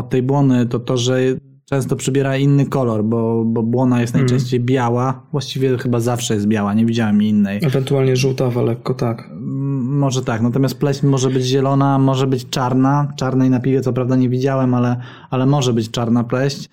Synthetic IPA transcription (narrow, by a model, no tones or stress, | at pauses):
ɔt̪ːɛjbwɔnɘt̪ɔt̪ɔʐɛ | t͡ʂɛ̃w̃st̪ɔpʂɘbʲjɛɾainːɘkɔlɔɾbɔbɔbwɔnajɛst̪najt͡ʂɛ̃w̃ɕt͡ɕejbʲjawavwaɕt͡ɕivʲjɛxɘbazafʂɛjɛst̪bʲjawaɲɛvʲid͡ʑawɛminːɛjɛvɛnt̪uwalɲɛʐuwt̪avalɛkːɔt̪ak | mɔʐɛt̪aknat̪ɔmʲjast̪̚plɛɕt͡ɕmɔʐɛbɘd͡ʑʑɛlɔnamɔʐɛbɘt͡ɕt͡ʂaɾnat͡ʂaɾnɛjnapʲivʲjɛt̪sɔpɾavd̪aɲɛvʲid͡ʑawɛmalɛ | alɛmɔʐɛbɘt͡ɕt͡ʂaɾnaplɛɕt͡ɕ